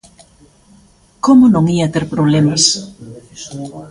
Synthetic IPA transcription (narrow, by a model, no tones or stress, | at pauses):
komʊnõŋiɐt̪eɾpɾoβ̞lemɐs